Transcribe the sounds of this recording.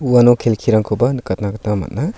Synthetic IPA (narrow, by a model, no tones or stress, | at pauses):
uanɔkʰelkʰiɾaŋkʰobankɐtnakatnamɐ̰t̚na